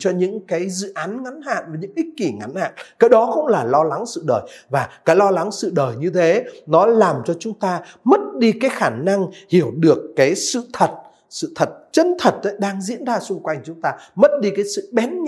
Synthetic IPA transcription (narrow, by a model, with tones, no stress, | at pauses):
t͡ɕɔ˧ɲɨ̰˧˥ŋkaː˨˦jzɨ̰˧˨ʔaː˨˦nŋa˨˦nha̰ː˧˨nvaː˨˩ɲɨ̰˧˥ŋʔi˦˥k̚ki˧˩ŋa˨˦nha̰ː˧˨nkaː˨˦jɗɔ˨˦xə˧wŋ͡mlaː˨˩lɔ˧la˨˦ŋsɨ̰˧˨ɗəː˨˩jvaː˨˩kaː˨˦jlɔ˧la˨˦ŋsɨ̰˧˨ɗəː˨˩jɲɨ˧t̪ʰe˨˦nɔ˨˦laː˨˩mt͡ɕɔ˧t͡ɕʊ˨˦ŋ͡mt̪aː˧mə˦˥t̚ɗi˧kaː˨˦jxaː˧˩na˧ŋhi˧˩əwɗɨ˨˩əkːaː˨˦jsɨ̰˧˨t̪ʰə˨˩t̚ | sɨ̰˧˨t̪ʰə˨˩t̚t͡ɕə˧nt̪ʰə˨˩t̚ʔə˨˦ɗaː˧ŋzḭ˧˥ənzaː˧sʊ˧ŋ͡mkwa˧jŋ̟t͡ɕʊ˨˦ŋ͡mt̪aː˧mə˦˥t̚ɗi˧kaː˨˦jsɨ̰˧˨ɓɛ˨˦n